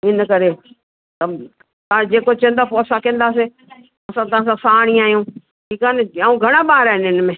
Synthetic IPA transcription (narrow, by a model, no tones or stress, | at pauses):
ɪnəkɐɾe | t̪ɐ | t̪ãd͡ʑeːkot͡ɕə̃nd̪aːpoːɐsãkẽə̃n̆d̪aːse | ɐsãt̪̬ɐãːs̬ãsaːɽ̃iaːɦijũː | ʈʰiːkaːnɪaːũɡʱɐɽ̃aɓaːɦɾaːɦɪnɪnmẽː